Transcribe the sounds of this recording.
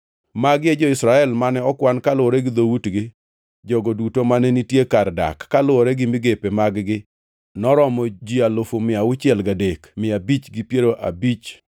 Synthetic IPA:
maɡjed͡ʒɔɪsɾaɛlmanɛɔkwankalʊoɾɛɡɪd̪owutɡɪ | d͡ʒɔɡɔdutomanɛnitjekarda̰kːalʊɔɾɛɡɪmɪɡepemaɡɡɪ | nɔɾɔmɔd͡ʒialofomɪaʊt͡ʃɪɛlɡadekmɪabit͡ʃɡɪpjeɾoʔa̰bit͡ʃ

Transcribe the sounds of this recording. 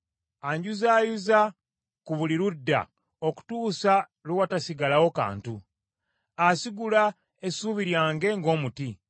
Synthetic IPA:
aɲɟuzaːjuza | kuβuliɾudːa̰ | oku̥tuːsa | lewatasiɡalawo̞ka̰ːntu | asiɡula | esuβiɾjaːŋɡe̞ŋɡo̞ːmuti

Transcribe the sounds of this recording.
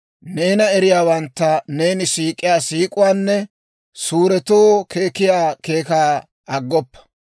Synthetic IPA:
ne̞ːnɐɛɾɪjaːwɐnt̪ːɐne̞ːnɪsiːkʼːɪjaːsiːkʼʊwaːnːɛ | suːɾɛt̪oːkʰe̞ːkɪjaːke̞ːkaː | ɐɡːɔpːɐ̥

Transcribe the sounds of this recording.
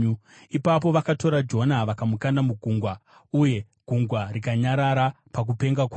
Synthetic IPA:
ipap̬o̞ʋakato̞ɾad͡ʒo̞naʋakamukandamuɡʱuŋɡwa | uje̞ | ɡ̥ʱuŋɡwarikaɲaɾaɾa | pak̬upe̞ŋɡakwa

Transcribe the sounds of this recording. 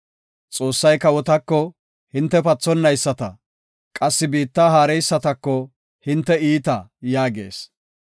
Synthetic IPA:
t͡sʼo̞ːsːɐjkɐwɔt̪ɐkːɔ | hɪnt̪ːɛpɐt͡sːɔnːɐjsːɐt̪ɐ̰ | kʼɐsːɪbiːt̪ːaːɦaːɾɛjsːɐt̪ɐkːɔ | hɪnt̪ːɛiːt̪ɐjaːɡe̞̰ːs

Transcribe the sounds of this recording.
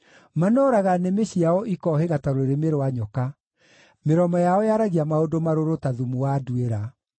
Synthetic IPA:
manɔːɾaɣanemeɕiaɔʔikɔheɣataɾoeɾemeɾowaɲɔka | meɾɔmɔjaɔjaɾaɣiamaodomaɾoɾotaðumuwadueɾa

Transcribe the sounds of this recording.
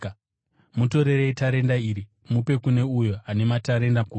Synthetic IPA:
muto̞ɾe̞ɾeitaɾe̞ndaiːɾi | mupe̞kune̞ujoane̞mataɾe̞ndaku

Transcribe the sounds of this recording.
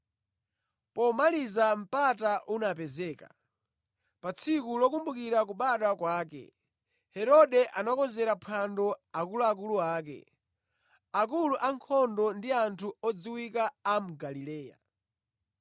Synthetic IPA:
pɔmalizam̩pataʔunapɛzɛːka̰ | pat͡sʰikulɔkumbukiɾak̬uɓaɗakwaːkɛ̰ | hɛɾɔɗɛʔanakɔzɛɾapʰandɔakulɔak̬uluaːk̬ɛ̰ | akuluʔaŋkʰɔndɔndiantʰuɔd͡ziwikaːm̩ɡalilɛːja̰

